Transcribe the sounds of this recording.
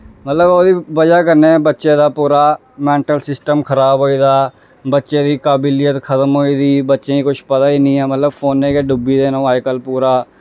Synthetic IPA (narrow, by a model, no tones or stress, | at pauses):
mət̪ləboːd̪iːʋəd͡ʒaːk̬əɾneːbətːʃẽːd̪aːpuːɾaː | mɛ̃ːɳʈəlsɪsʈəmkʰəɾaːbɦoːiːd̪aː | bətːʃẽːd̪iːkaːbiːlijət̪kʰət̪əmɦoːiːd̪iːbətːʃẽːĩːkʊʃʰpət̪aːiːnĩːɛːmət̪ləbpʰoːnːẽːkeːɖʊbiːd̪eːnõːaːikəlpuːɾaː